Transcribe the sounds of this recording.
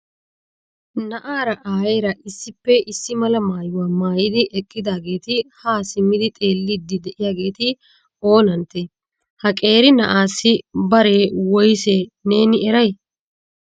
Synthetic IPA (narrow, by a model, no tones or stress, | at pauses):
nɐʔaːɾɐʔaːjeːɾɐʔɪsːɪpːɛɪsːɪmɐlɐmaːjʊwaːmaːjɪd̪ɪʔɛkʼːɪd̪aːɡe̞ːt̪ɪhaːsɪmːɪd̪ɪt̪ʼe̞ːlːɪd̪ːɪd̪ɛʔɪjaːɡe̞ːt̪ɪ | o̞ːnɐnt̪ːe | hɐkʼe̞ːɾɪnɐʔaːsːɪbɐɾe̞ːwɔjseːne̞ːnɪɛɾɐj